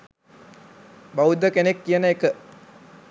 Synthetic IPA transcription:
baud̪əkenekːijənəekə

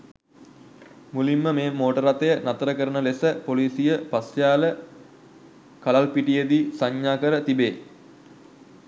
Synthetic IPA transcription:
mulimːəmeːmoːʈəɾat̪əjənat̪əɾəkəɾənəlesəpoliːsijəpasjaːlə | kalalpiʈijəd̪iːsaɲːaːkəɾət̪ibeː

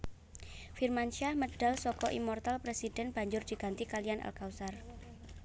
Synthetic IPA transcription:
firmanʃahməɖ̥a̤lsɔkɔʔimɔrt̪alpɾesidɛnb̥a̤ɲd͡ʒʊrd͡ʒ̥iɡ̥a̤nt̪ikalijanʔa̰lkawsar

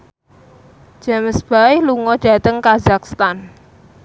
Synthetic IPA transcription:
d͡ʒ̥a̤məsb̥aɪhluŋɔɖ̥ä̤t̪əŋkazakst̪an

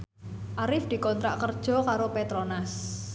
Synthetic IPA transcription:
ʔaɾɪfd̪̥i̤kɔnt̪ɾaʔkərd̥ʒ̥ɔ̤kaɾopet̪ɾonas

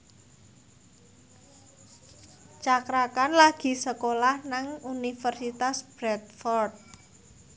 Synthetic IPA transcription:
t͡ʃakɾakanlaɡ̥i̤səkolahnaŋunifərsit̪asb̥ɾɛt̪̚fɔrt̪̚

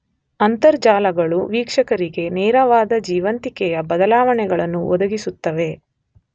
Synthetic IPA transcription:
ɐnt̪ɐɾd͡ʒaːlɐɡɐɭuʋiːkʂɐkɐɾiɡe̞nɛːɾɐʋaːd̪ɐd͡ʒiːʋɐnt̪ikɛjɐbɐd̪ɐlaːʋɐɳɛɡɐɭɐnːuʔɔd̪ɐɡisut̪ːɐʋe̞

